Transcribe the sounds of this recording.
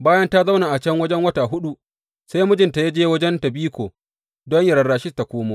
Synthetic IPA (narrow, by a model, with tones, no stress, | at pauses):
baː˦jɐ˦nta˦za˦wnaː˨ʔa˨t͡ʃɛ˦ŋwɐ˦d͡ʒɛ˦ŋwɐ˦ta˨ɦʊ˦ɗu˦ | sa˦jmʊ˦d͡ʒɪ˨nta˨ja˦d͡ʒeː˦wɐ˦d͡ʒɛ˦nta˨biː˦kʷoː˨ | dɔ˦ɲjɐ˨ɾɐː˨aː˨ʃɪ˦sta˨kʷoː˦moː˦